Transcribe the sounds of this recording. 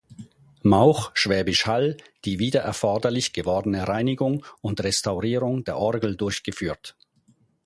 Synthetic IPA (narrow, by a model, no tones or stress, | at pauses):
maʊxʃv̥ɛːbɪʃhald̥iːviːdɐʔɛɐfɔɐdɐlɪçɡ̥əvɔɐdənəʁaɪnɪɡʊŋʊntʁɛstaʊʁiːʁʊŋdeːɐʔɔɐɡl̩dʊɐçɡ̥əfyːɐt